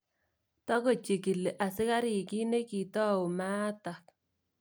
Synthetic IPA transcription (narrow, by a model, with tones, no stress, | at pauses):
tɔ˦ko˨t͡ʃɪ˨kɪ˨le˨ʔa˨sɪ˦ka˦ɾi˨ki˦ne˦ki˨tɔ˦ʊ˨ma˦t̪a˨k